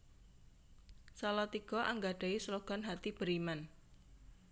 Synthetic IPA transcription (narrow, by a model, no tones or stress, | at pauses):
salɔt̪iɡ̥ɔʔaŋɡaɖ̥a̤isəloɡ̥ɔ̤nɦat̪ib̥əɾiman